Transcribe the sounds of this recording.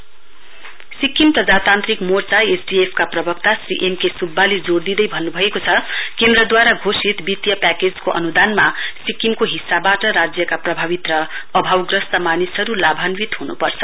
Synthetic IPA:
sikimprʌd͡zat̪ant̪rɾikmort͡saesɖiepʰkaprʌbʌkt̪asrḭʔemkesubːaled͡zoɽd̪id̪ʌjbʱʌnːubʱʌekot͡sʰʌkend̪ɾʌd̪waɾaɡʱosit̪bit̪jʌpæked͡zkoʔʌ̰nud̪anmasikimkoɦisːabaʈʌɾad͡zjʌkaprʌbʱaβit̪rʌː | bʱawɡrʌst̪ʌmanisɦʌɾulabʱanwit̪ɦunṵpʌrt͡sʰʌ

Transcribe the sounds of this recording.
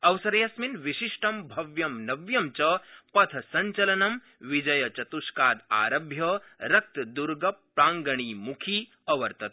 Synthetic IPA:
ɐwsɐɾjɐsminʋiʃiʂʈɐmbʱɐʋjɐmnɐʋjɐmt͡ʃɐpɐt̪ʰɐsɐɲt͡ʃɐlɐnɐm | ʋid͡ʒɐjɐt͡ʃɐt̪uʃkaːd̪a̰ːɾɐbʱjɐɾɐk̚t̪d̪uɾɡɐpːɾaːŋɡɐɳ̃iːmukʰiː | ɐʋɐɾt̪ɐt̪̚

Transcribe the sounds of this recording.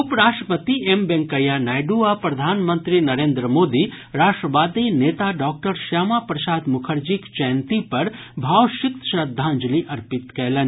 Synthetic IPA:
ʊpɾaːʂʈɾəpət̪iembẽŋkɐjanaːjɖuːapɾɐd̪ʱaːnmə̃nt̪ɾinɐɾeːnd̪ɾəmoːd̪i | ɾaːʃʈɾəʋaːd̪ineːt̪aɖaːk̚ʈəɾʃaːmapɾɐʃaːd̪mʊkʰəɾd͡ʒikt͡ʃɛːnt̪ipɐɾbʱaːʋʃɪk̚t̪ʃɐd̪ʱːaːnd͡ʒəliʔɐɾpɪt̪kɛːlən

